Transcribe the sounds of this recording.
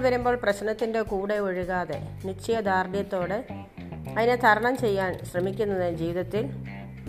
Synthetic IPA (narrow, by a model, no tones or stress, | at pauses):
ʋɐɾumbo̞ːɭprɐɕnɐt̪ːinde̞kuːɽe̞oɻiɣaːðe̞nit͡ɕːɐjɐd̪aːrd̪jɐt̪ːo̞ːɽɨ | ɐðinet̪ʰɐɾɐɳɐmt͡ɕe̞jːaːnɕrɐmikʲːunːɐðɨd͡ʑiːʋiðɐt̪ːil